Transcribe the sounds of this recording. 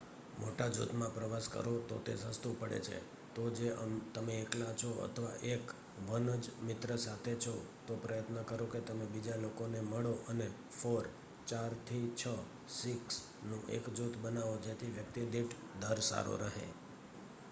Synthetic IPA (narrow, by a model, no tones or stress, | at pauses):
mʔoʈad͡ʒṵt̪mãpɾəʋaskə̰ɾot̪ot̪esə̃st̪ũpəɽḛt͡ʃʰḛ | t̪od͡ʒeət̪əmeːklat͡ʃʰoə̰t̪ʰəʋa̰ʔek | ʋənəd͡ʒmɪt̪ɾəsat̪ʰet͡ʃʰo | t̪opɾəjət̪nəkəɾoket̪əmebid͡ʒalokoneməɭoʔəne | foɾ | t͡ʃaɾt̪ʰit͡ʃʰə | siks | nũʔḛkd͡ʒut̪bənaʋod͡ʒet̪ʰiʋjək̚t̪id̪iʈʰ | d̪ʱəɾsa̰ɾo̰ɾəɦḛ